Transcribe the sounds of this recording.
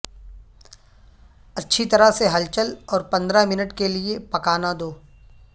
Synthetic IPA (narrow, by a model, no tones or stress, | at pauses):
ɐtːʃʰit̪ɐɾaseɦɐlt͡ʃəlɔːɾpɐ̃nd̪ɾamɪnəʈkeliepɐkaːnad̪oː